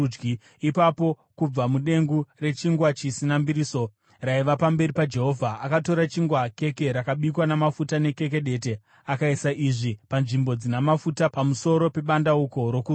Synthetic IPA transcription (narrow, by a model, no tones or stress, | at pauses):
ɡi | ipapo̞ | kub͡vamuɗe̞ŋɡure̞t͡ʃiŋɡwat͡ʃisinambiɾiːso̞ | raiʋapambe̞ripad͡ʒe̞ɦo̞vʱaakato̞ɾat͡ʃiŋɡwake̞keɾakaɓikwanamafutane̞ke̞ke̞ɗe̞te̞ | akaisaʔiʐipanʐimbo̞d͡zinamafutapamuso̞ɾo̞pe̞ɓandauko̞ɾo̞ku